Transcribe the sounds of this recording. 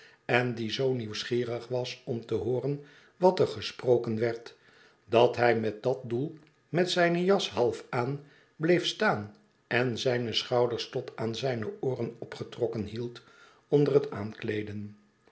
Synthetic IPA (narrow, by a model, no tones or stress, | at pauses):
ɛndizowniwsχiːrəχʋɑsɔmtəɦʊːrən | ʋɑtəɹχəsprowkənʋɛɹt | dɑtɦɛjmɛt̚dɑt̚dulˠ | mɛtsɛjnəjɑsɦɑlˠfaːn | blejfstaːn | ɛnzɛjnəsχɑwdəɹstɔtaːnzɛjnəʊːrənɔpχətrɔkənɦilˠt | ɔndərəta̰ːnklejdən